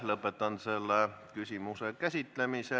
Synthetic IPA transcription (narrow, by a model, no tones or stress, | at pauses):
lɤpːˑet̪ːˑɑnselːekysʲimusekæsʲit̪lemise